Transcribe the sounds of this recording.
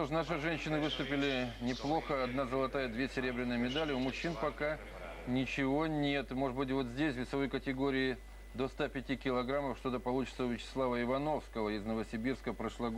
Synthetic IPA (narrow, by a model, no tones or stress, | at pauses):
oʂnaʂɨʐɛnʲɕːɪnɨvɨst̪ʊpʲɪlʲɪnʲɪplˠo̞xəɐd̪nazəlˠɐt̪ajəd̪vʲesʲɪɾʲe̞bɾʲɪnːɨjəmʲɪd̪alʲɪʊmʊɕːinpɐka | nʲɪt͡ɕɪvo̞nʲe̞t̪mo̞ʐɨbɨt̬ʲvo̞t̪zʲdʲesʲvʲɪsɐvo̞jkətʲɪɡo̞ɾʲɪː | d̪o̞st̪apʲɪtʲikʲɪlˠɐɡɾaməfʂt̪o̞t̪əpɐlˠut͡ɕɪ̥t̪səʊvʲɪt͡ɕɪ̥slˠavəɪvɐno̞fskəvəɪznəvəsʲɪbʲirskəpɾəʂlˠɐɡ